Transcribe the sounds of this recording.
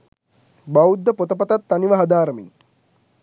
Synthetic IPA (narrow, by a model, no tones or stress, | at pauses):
bawud̪ːəpot̪əpət̪at̪ːaniʋəɦad̪aːɾəmḭŋ